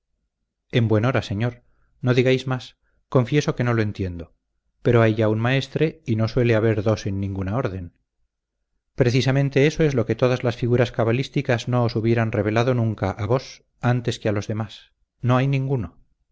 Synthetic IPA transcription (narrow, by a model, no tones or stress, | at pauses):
e̞mbwe̞no̞ɾase̞ɲo̞ɾ | no̞ðiɣajzmas | ko̞ɱfje̞so̞ke̞no̞lo̞e̞nt̪je̞nd̪o̞ | pe̞ɾo̞ajʝaunmae̞st̪ɾe̞ino̞swe̞le̞aβe̞ɾðo̞se̞nːĩŋɡunao̞ɾðe̞n | pɾe̞θisamẽ̞nt̪e̞eso̞ezlo̞ke̞t̪oðazlasfiɣuɾaskaβalist̪ikazno̞ːsuβje̞ɾanre̞βe̞laðo̞nũŋkaʔaβo̞s | ant̪e̞skealo̞zðe̞mas | no̞ajnĩŋɡuno̞